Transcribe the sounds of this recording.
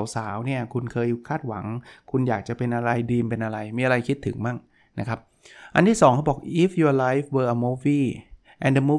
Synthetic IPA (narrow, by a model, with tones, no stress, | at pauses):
wsaː˩˦wni˥˩ɐkʰu˧nkʰɤː˧jkʰaː˥˩t̪̚wa̰˩˦ŋkʰu˧njaː˨˩k̚t͡ɕa˨˩pe˧nʔa˧ɾa˧jdiː˧mpe˧nʔa˧ɾa˧jmiː˧a˧ɾa˧jkʰi˦˥t̪ʰːɯ̰˩˦ŋma˥˩ŋ | na˦˥kʰɾa˦˥p̚ | ʔa̰˧nt̪ʰiː˥˩sɔː˩˦ŋkʰa˥˩bɔː˨˩k̚ʔi˦˥fjuː˧la˦˥jfwəː˧ʔə˧muː˦˥fiː˥˩ | ʔɛ˧ndə˧muː˦˥